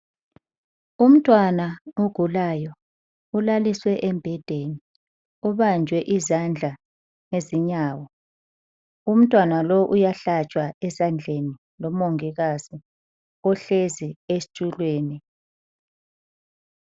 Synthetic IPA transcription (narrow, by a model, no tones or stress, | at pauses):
um̩tʼwanauɡ̥ʱulajɔ | ulaliswɛʔɛmbʱɛd̥ʱeni | uβand͡ʒʱwɛʔizand͡ɮʱa | ŋeziɲaːwɔ | um̩tʼwanalɔʔujaɬat͡ʃʼwaɛzand͡ɮʱeni | lɔmoŋiɣazi | ɔɬeziestʰʼulweːni